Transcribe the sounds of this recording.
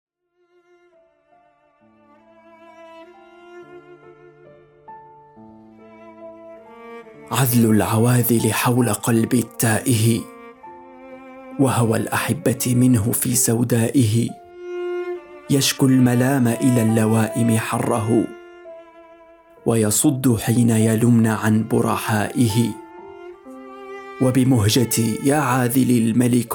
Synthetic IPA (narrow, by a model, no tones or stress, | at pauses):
ʕad̪lʊlʕawaːðɪlɪħawlaqɑlbɪt̪ːaːʔɪɦɪ | wahʊwa̰lʔaħabːamɪnɦʊfiːsawd̪aːʔɪɦɪ | jaʃkʊlmalaːmaʔɪlaːlːawaːʔɪmɪħɑrˤːɑɦʊ | wajɑsˤʊd̪ːʊħiːnajalʊmnaʕanbʊ̰ɾˤɑ̰ħaːʔɪɦɪ | wabɪmʊɦd͡ʒat̪iːjaːʕaːðɪlɪlmalɪk